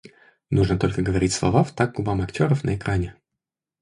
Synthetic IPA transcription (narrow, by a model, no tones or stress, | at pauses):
nuʐnət̪o̞lʲkəɡəvɐɾʲitʲslˠɐ̰vaft̪aɡ̚ɡʊbamɐktʲo̞ɾəfnə̰ɪkɾʔanʲɪ